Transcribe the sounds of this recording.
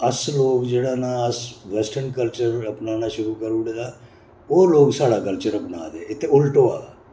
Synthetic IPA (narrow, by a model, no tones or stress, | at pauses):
əsloːɡd͡ʒeːɽaːnaːəsʋɛsʈʰənkəlt͡ʃəɾəpnaːnaːʃʊɾuːkəɾuɽd̪aː | oːloːɡsaːɽaːkəlt͡ʃəɾəpna̰ːd̪eːɪt̪ʰːeʊlʈoːa̰ːaː